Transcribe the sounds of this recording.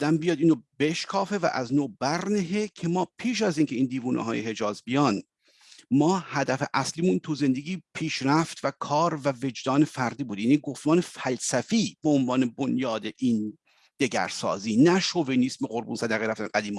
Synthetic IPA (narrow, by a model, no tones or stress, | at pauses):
d̪æmbijɒːd̪iːnrobe̞ʃkʰɒːfe̞væ̰ʔæznoːbæɾneɦecʰe̞mɒːpʰiːʃ̬æziːŋcʰe̞iːnd̪iːvuːnʔɛ̰ɦɒ̰ːjeɦe̞d͡ʒɒːzbijɒːn | mɒːhæd̪æfeʔæsliːmuːnt̪ʰuze̞nd̪e̞ɡʲiːpʰiːʃɾæft̪vækʰɒːɾvæve̞d͡ʒd̪ɒːnefæɾd̪iːbuːd̪iniɡoft̪mɒːnefælsæfiːb̥eonvɑːne̞bonjɒːd̪eʔiːn | d̪̥e̞ɟæ̰ɾsɒ̰ːziːnæʃovenismeʁoɾbuːnsæd̪æɣeɾæft̪ænɡæd̪iːm